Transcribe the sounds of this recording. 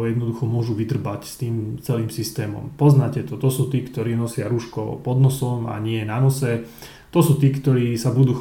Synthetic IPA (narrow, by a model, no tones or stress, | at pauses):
jɛd̪nɔd̪uxɔmʊɔʒuʋid̪r̩bacst̪iːmt͡sɛliːmsist̪ɛːmɔ̰mpɔznaːcɛt̪ɔt̪ɔsuːt̪iːkt̪ɔɾiːnɔsɪaɾuːʃkɔ̰pɔd̪nɔsɔma̰ɲɪɛnanɔsɛ | t̪ɔsuːt̪iːkt̪ɔɾiːsabud̪uː